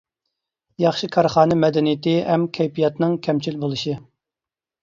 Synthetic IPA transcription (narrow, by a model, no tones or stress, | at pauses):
jɑχʃɨkʰɑɾχɑːnɨmɛd̪ɛnijit̪ɪɦɛmkʲʰɛjpijɑt̪nɨŋkʲʰɛmt͡ʃʰilbolˠɨʃi